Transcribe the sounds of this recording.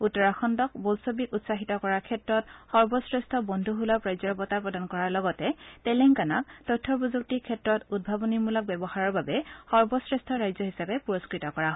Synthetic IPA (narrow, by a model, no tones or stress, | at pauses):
utɔɹaxɔndɔk̚bɔlsɔbikutsaɦitɔkɔɹaɹkʰɛtɹɔt̚xɔɹbɔsɹɛstʰɔbɔndʱuɦulɔpɹajzɔɹbɔtapɹɔdankɔɹaɹlɔɡɔtɛtɛlɛŋkana̰k̚tɔtʰːɔpuzuk̚tikʰːɛtɹɔtud̚bʱabɔniɹmulɔk̚bɛbɔhaɹɔɹbabɛxɔɹbɔsɹɛstʰɔɹajzɔɦisapɛpuɹɔskɹitɔkɔɹaɦ